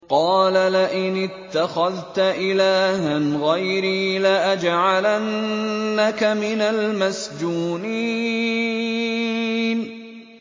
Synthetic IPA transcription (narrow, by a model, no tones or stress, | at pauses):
qɑːlalaʔɪnɪt̪ːaxaðt̪aʔɪlaːhanɣajɾiːlaʔad͡ʒʕalanːakamɪnalmasd͡ʒuːni | n